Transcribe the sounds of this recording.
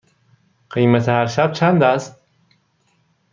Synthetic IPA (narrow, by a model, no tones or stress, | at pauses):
ɢ̥ejmæt̪ʰehæɾʃæb̥̚t͡ʃʰænd̪æst̪̚